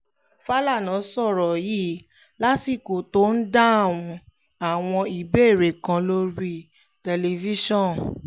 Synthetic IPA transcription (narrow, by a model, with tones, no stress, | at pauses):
fa˦la˦˨nã˨˦sɔ˦˨ɾɔ˨ji˦ | la˦si˦˨ko˨to˦n̩˦da˦a˦˨w̃ɔ̃˧ | a˨w̃ɔ̃˧i˨be˦˨ɾe˨kã˧lo˧ɾi˦ | tɛ˧le˧vi˦ʃɔ̃˦˨n